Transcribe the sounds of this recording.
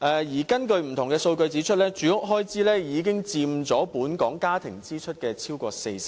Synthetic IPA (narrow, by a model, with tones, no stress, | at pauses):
ʔɛː˨˧jiː˨˩kɐ˥nkɵ˧ɥm̩˨˩t̪ʰŋkɛː˧so˧wkɵ˧ɥt͡siː˨˥t͡ʃʰɵ˥t̚lɛː˥t͡ʃyː˨˥ʊ˥k̚ɦɔː˥jt͡siː˥lɛː˥jiː˨˧k̬ɪ˥ŋt͡siː˧mt͡sɔː˨˥puː˨˥nkɔː˨˥ŋkaː˥t̪ʰɪ˨˩ŋt͡siː˥t͡ʃʰɵ˥t̚kɛː˧t͡sʰiː˥wkɔː˧se˧jsɪ˨